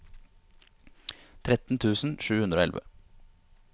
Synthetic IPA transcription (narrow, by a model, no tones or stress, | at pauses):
t̪ʰɾɛt̪n̩t̪ʰʉːsn̩ʃʉːhʉnd̪ɾoːɛlʋə̰